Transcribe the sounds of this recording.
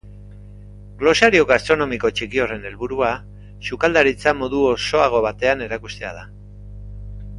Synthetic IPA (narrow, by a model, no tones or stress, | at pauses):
ɡlo̞saɾio̞ɣast̪ɾo̞no̞miko̞t͡ʃikio̞re̞ne̞lβuɾua | sukald̪aɾit͡samo̞ðuoso̞aɣ̞o̞βat̪e̞ane̞ɾakust̪e̞a̰ð̞a